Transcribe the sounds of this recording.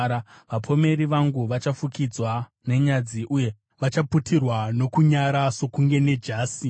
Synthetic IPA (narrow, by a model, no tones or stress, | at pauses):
ɾaʋapʰo̞me̞ɾiʋaŋɡuʋat͡ʃafukid͡zwa | ne̞ɲad͡ziʔuje̞ | ʋat͡ʃaputirwano̞kuɲaɾaso̞kuŋɡe̞ne̞d͡ʒaːsi